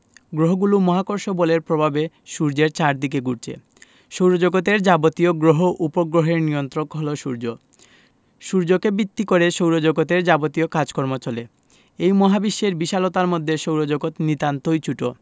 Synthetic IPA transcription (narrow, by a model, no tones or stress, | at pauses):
ɡɾoɦoɡulumɔɦakoɾʃoboleɾpɾobʱabe | ʃuɾd͡ʑeɾt͡ɕaɾd̪ik̬eɡuɾt͡ɕʰḛ | ʃowɾod͡ʑoɡot̪eɾd͡ʑabot̪ioɡɾoɦoʔupoɡɾoɦeɾnijont̪ɾokɦoloʃuɾd͡ʑo | ʃuɾd͡ʑokebit̪ːikoɾeʃowɾod͡ʑoɡot̪eɾd͡ʑabot̪iokad͡ʑkɔɾmot͡ɕole | ejmɔɦabiʃːeɾbiʃalot̪aɾmod̪ʱːeʃowɾod͡ʑoɡot̪nit̪ant̪ojt͡ɕuʈo̰